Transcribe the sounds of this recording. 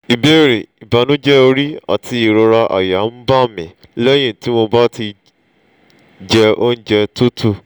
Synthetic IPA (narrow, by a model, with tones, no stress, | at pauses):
i˨be˦ɾe˨i˨ba˨˦nũ˦d͡ʒɛ˦o˧ɾi˦a̰˨tʰi˧i˨ɾo˧ɾa˧ʔa̰˨ja˨˦n̩˦ba˦˨mĩ˨ | lɛ˦j̃ĩ˦˨ti˦w̃ɔ̃˧ba˦ti˧ | d͡ʒɛ˧o˦n̩˦d͡ʒɛ˧to˦tʰu˦˨